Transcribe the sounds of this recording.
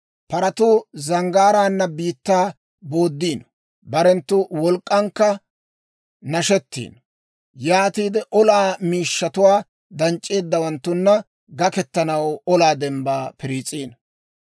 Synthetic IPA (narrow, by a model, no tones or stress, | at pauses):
pɐɾɐt̪ʊːzɐŋɡaːɾaːnːɐbiːt̪ːaː | bo̞ːd̪ːiːn | bɐɾɛnt̪ːʊwɔlkʼːɐŋkːɐ | nɐʃɛt̪ːḭːn | jaːt̪iːd̪ɛʔɔlaːmiːʃːɐt̪ʊwaː | d̪ɐnt͡ʃʼːe̞ːd̪ːɐwɐnt̪ːʊnːɐ | ɡɐkɛt̪ːɐnɐwɔlaːd̪ɛmbaːpɪɾiːt͡sʼiːn